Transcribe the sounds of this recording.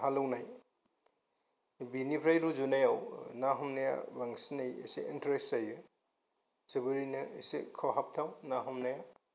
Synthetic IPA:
halɔwnaj | binipʰɾajɾuzunajawnaɦɔmnaja̰baŋsinajḛseintɾesajɯ | sebɯɾinɯesekʰɔɦap̚tʰawnaɦɔmnaja

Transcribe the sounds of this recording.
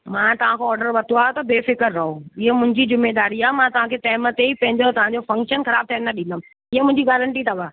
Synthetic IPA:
mãːt̪ɐʋ̤ãkʰoɔːɾɖəɾʋɐt̪ʰuaːɦot̪ɐbeːfɪkəɾːɐɦoɪɦemʊ̃ɦɪ̃ɲd͡ʑid͡ʑɪmːed̪aːɾiaːmãːt̪ɐʋãːkʰeʈɛːɪmət̪eipɐ̃ɦɪ̃ɲd͡ʑot̪ɐʋ̤ãɲ̆d͡ʑofɐ̃ŋkʃənxɐɾaːb̚t̪ʰaənnːɐɗĩnd̪əm | ɪɦemʊ̃ɦɪ̃ɲd͡ʑiɡaːɾəɳʈit̪ʰɐbaː

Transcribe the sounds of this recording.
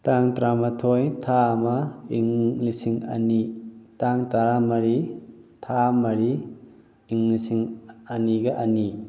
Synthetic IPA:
taŋtɾamatʰojtʰamaiŋlisiŋɐ̰nitaŋtaɾamɐɾitʰamɐɾiː | ŋlisiŋɐniɡɐʔɐni

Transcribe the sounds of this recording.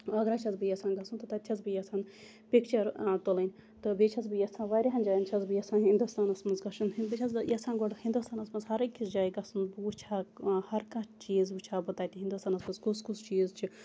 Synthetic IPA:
ɐɡɾat͡ʃʰɐzbɨjɐsãːnɡɐsɨnt̪ɨt̪ɐt̪ʲʰɐzbɨjɐsaːn | pʲikt͡ʃɐɾt̪olɐnʲ | t̪ɨbet͡ʃʰɐzbɨjɐsãːnʋaːɾʲiɦɐnd͡ʒaːjnt͡ʃʰɐzbɨjɐsaːnɦind̪ust̪aːnɐsmɐnzɡɐʃunɦibit͡ʃʰɐzjɐsaːnɡoɽhĩnd̪ust̪aːnɐsmɐzɦɐɾɨkʲʰːizd͡ʒaːjiɡɐsɨnbɨut͡ʃʰaːhɐɾkat͡ʃiːzbɨt͡ʃʰaːbɨt̪aːt̪ʲiɦind̪ust̪aːnɐsmɐnzkuskust͡ʃiːzt͡ʃʰi

